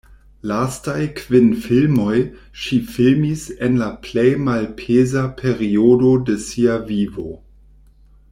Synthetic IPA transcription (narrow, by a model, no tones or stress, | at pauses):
lastajkvinfilmo̞j | ʃifilmisenlaplejmalpʰezapʰe̞ɾiodo̞desiavivo̞